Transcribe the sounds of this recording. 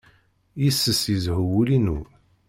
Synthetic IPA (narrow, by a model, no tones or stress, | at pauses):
jəsːəsjəzhəwulinu